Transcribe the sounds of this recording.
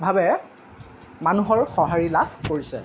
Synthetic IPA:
bʱabɛ | manuɦɔɹxɔɦaɹilaskoɹisɛ̰

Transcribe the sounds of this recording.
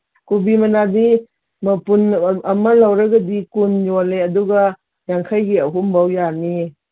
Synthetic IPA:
kubimɐnadi | mɐpunɐmalawɾaɡadikunjɔleɐduɡa | jaŋkʰajɡiɐɦumbawjani

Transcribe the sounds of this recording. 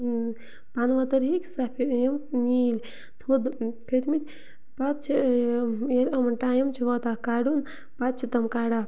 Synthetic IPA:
panʋɐt̪ɐɾɦiksɐpʰijɐmnilʲ | t̪ʰod̪kʰɐt̪ʰmit̪ʰʲ | pat̪̚t͡ʃʰi | elɐmɐnʈaːjɐmt͡ʃʰiʋɔt̪akaɖun | pat̪̚t͡ʃʰit̪ɐmkaːɽa

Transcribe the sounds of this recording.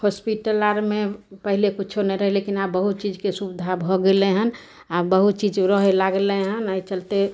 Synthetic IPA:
hɔspiʈəlaɾmepəɦilekut͡ʃʰonɛjɾəɦɛlekinabbəɦut̪̚t͡ʃid͡ʒkesubid̪ʱabʱɔɡeleɦən | abəɦut̪̚t͡ʃid͡ʒɾəɦelaɡeleɦənait͡ʃəlt̪e

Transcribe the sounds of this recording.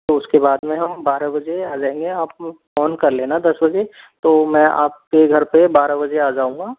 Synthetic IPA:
t̪oʊskebaːd̪mẽɦɐmbaːɾabɐd͡ʒeaːd͡ʒaːẽːŋɡeaːp̚fɔːnkɐɾlẽːnad̪ɐsbɐd͡ʒe | t̪oːmɛ̃ːa̰ːp̚keɡʱɐɾpebaːɾabɐd͡ʒeaːd͡ʒaːũːŋɡaː

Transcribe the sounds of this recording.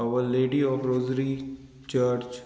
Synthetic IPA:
aʋəɾleːɖiɔːfɾoːzɾi | t͡ʃəɾt͡ʃ

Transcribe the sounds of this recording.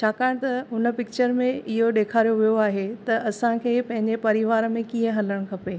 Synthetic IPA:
t͡ɕʰaːkaːɪɽ̃t̪ɐɦʊnə̆pɪk̚t͡ɕəɾmẽɪɦoɗeːkʰaːɾijoʋijoaːɦet̪ɐɐsãkʰeːpɐ̃ɦɪ̃ɲd͡ʑepɐɾiʋaːɾəmẽkiːə̃ɦɐləɽ̃kʰɐpeː

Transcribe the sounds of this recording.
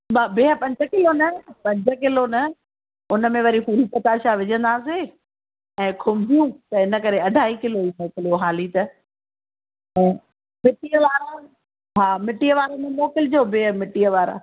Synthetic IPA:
babeəpɐ̃ɲd͡ʑʱə̆kɪlonɐpɐ̃ɲd͡ʑʱəkɪlonɐ | ʊnə̆mẽʋɐɾifuːɾipɐt̪aːʃaʋɪd͡ʑə̃nd̪aːs̬e | ɛ̃ːkʰʊmd̪ʱijũt̪ɐɪnə̆kɐɾeɐɖʱaːɦikɪloimoːkɪljoɦaːlit̪ɐ | ɛ̃ː | mɪʈiːəʋaːɾa | ɦaːmɪʈiəʋaːɾanɐmoːkɪld͡ʑoːbeːmɪʈiəʋaːɾa̰

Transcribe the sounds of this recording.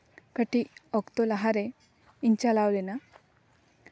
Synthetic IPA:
kəʈiɔkt̪olaɦaɾe | iɲt͡ɕalaʋlena

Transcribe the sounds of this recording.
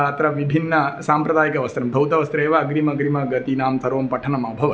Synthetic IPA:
ɐt̪ɾɐʋibʱinːɐsaːmpɾɐd̪aːjikɐʋɐst̪ɾɐmbʱɐwt̪ɐʋɐst̪ɾeːʋɐːɡɾimɐɡɾimɐɡɐt̪inaːmt̪ʰɐɾʋɐmpɐʈʰɐnɐmɐbʱɐʋɐ

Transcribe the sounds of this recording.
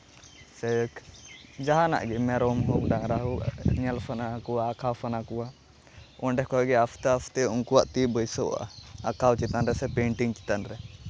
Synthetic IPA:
sɛkd͡ʒaɦana̰ʔɡɛmɛɾɔmɦɔkɖaŋɾaɦunalpʰanakuwaːkʰawpʰanakuwa | ɔɳɖɛhkɔɡɛafʰt̪əafʰt̪ɛuŋkuwaʔt̪ibəjsɔa̰akʰawt͡ʃit̪anɾɛsɛpeɳʈiŋt͡ʃi̥t̪anɾɛ

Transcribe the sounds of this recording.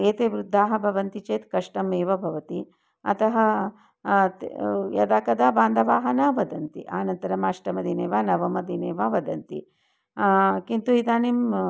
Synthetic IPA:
eːt̪eːʋɾud̪ʱːaːɦɐbʱɐʋɐnt̪it͡ʃeːt̪kɐʂʈɐmeːʋɐbʱɐʋɐt̪i | ɐ̰t̪ɐɦɐ | jɐ̰d̪aːkɐd̪aːbaːnd̪ʱɐʋaːɦɐnaːʋɐd̪ɐnt̪ḭʔaːnɐnt̪ɐɾɐmaːʂʈɐmɐd̪ʱineːʋaːnɐʋɐmɐd̪ʱineːʋaːʋɐd̪ɐnt̪ḭ | kint̪uid̪aːnim

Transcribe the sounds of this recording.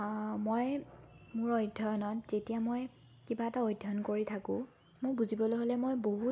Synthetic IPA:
mojmʊɹojdʱɔjɔnɔtzetijamoj | kibaɛtaojdʱɔnkoɹitʰakʊ̃ | mojbuzibɔlojɦolɛmojboɦu

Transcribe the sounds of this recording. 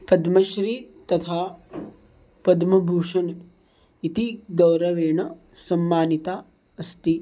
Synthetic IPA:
pɐd̪mɐʃɾit̪ɐt̪ʰaː | pɐd̪mɐbʱuːʂɐn | it̪iɡɐwɾɐʋeːɳɐ | sɐmːaːnit̪aː | ɐst̪i

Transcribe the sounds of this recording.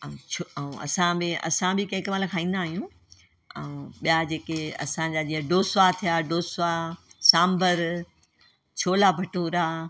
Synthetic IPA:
oɐũɐ̰sãbẽɐ̰sãbɪkɐ̃ɦɪ̃kmaːlkʰaːĩːnd̪aːɦijũ | ə̰ũɓijad͡ʑeːkeɐ̰sãɲd͡ʑaːd͡ʑiːə̃ɖoːsat̪ʰijaɖoːsasãːmbəɾ | t͡ɕʰoːlabʱɐʈũɾaː

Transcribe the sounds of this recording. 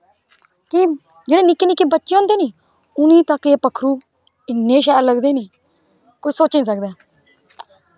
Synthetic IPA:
ki | d͡ʒeːɽeːnɪkːeːnɪkːeːbətːʃẽoːnd̪eːniː | ʊnĩːt̪əkeːpəkʰɾuː | ɪnːeːʃ̬ɛːɾləɡd̪eːniː | koːisoːt͡ʃĩːs̬ək̚d̪ɛː

